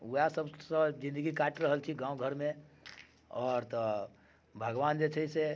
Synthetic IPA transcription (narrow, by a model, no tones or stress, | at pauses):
uasəbsə̃d͡ʒĩnd̪əɡikaːʈɾəɦəlt͡ʃʰiɡãːõɡʱəɾmẽ | ɔːɾt̪ə | bʱəɡʋaːnd͡ʒet͡ʃʰəise